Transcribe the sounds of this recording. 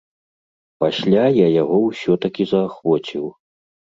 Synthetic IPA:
pasʲlʲajajaɣɔwsʲɔt̪ɐkʲizɐːxvɔt͡sʲiw

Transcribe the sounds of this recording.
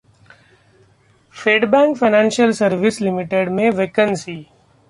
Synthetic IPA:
fʰeːɖbɛ̃ːŋkfʰaɪnãːnʃjəlsəɾʋɪslɪmɪʈeːɖmẽʋeːkənsiː

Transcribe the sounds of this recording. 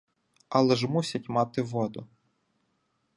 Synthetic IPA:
ɑlˠɛʒmusʲɐtʲmɑt̪ɪʋɔd̪ʊ

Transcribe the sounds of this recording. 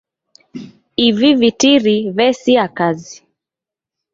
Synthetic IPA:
ivivitiɾiβɛsiakazi

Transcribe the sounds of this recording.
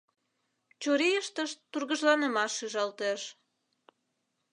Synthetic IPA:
t͡ɕoɾejəʃt̪əʃt̪urɣəʒlɑnəmɑʃːyʒɑlt̪eʃ

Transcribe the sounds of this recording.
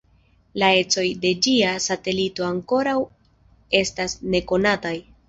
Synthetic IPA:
lae̞t͡so̞jde̞d͡ʒiasate̞lito̞aŋko̞ɾaw | e̞stasne̞ko̞nataj

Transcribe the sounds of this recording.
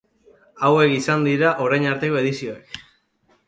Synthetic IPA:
awe̞kisand̪iɾaʔo̞ɾajɲaɾt̪e̞ko̞e̞ð̞isio̞ek

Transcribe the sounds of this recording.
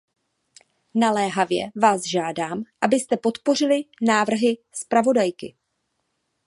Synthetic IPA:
nalɛːɦavjɛ̰vaːzʒaːdaːmʔabɪst̪ɛpo̞t̪po̞r̝ɪlɪnaːvr̩ɦɪ | spɾavo̞dajkɪ̰

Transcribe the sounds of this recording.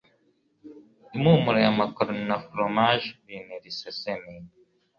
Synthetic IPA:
imuːmuɾejamakɔɾnafɾɔmaʒbinɛɾisɛsɛmi

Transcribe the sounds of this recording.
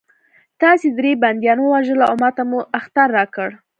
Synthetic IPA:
t̪ɑsed̪ɾeband̪jɑnwəwaʒəlaʊmat̪amuaxt̪aɾːɑkəɽ

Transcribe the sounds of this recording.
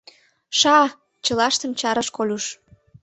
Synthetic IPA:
ʃɑ | t͡ɕəlɑʃt̪ə̆mt͡ɕɑɾəʃkolʲuʃ

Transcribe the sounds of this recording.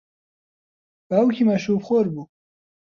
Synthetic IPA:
bawkʰʲimaʃupχoɾbu

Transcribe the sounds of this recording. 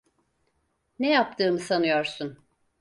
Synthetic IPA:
nɛjap̚t̪ʰɯːmɯsanɯjoɾsun

